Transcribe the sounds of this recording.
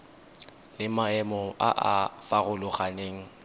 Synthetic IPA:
lɪmaɛmɔa̰ʔa̰faɣʊlʊχaneːŋ̩

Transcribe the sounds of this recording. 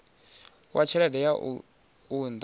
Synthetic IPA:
wʔat͡ʃʰɛɺɛdɛja | und̪

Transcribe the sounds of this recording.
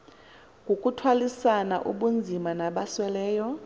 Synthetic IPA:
ŋɡʱokʼutʰwalisana̰ʔṵɓund͡zʱimanaɓaswɛlɛːjɔ

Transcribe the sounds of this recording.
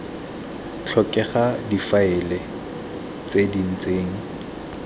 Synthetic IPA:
t͡ɬʰɔkʼɛχadifaɪle | t͡sʼedin̩t͡seːŋ̩

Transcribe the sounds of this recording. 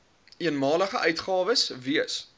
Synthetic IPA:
iənmɑːləχəʔœɥtχɑːvəsviəs

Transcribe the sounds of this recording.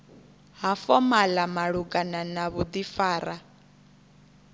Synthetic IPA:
ɦafɔmalamaɺukʼananaβud̪ifaːɾa

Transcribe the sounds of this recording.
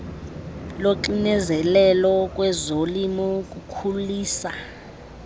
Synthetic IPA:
loǃinɛzɛlɛlɔk̬ʼwɛzolimɔk̬ʼukʰuliːsa

